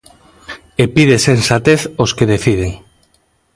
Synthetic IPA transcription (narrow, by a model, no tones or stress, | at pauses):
epiðesensat̪eθoskeðeθið̞eŋ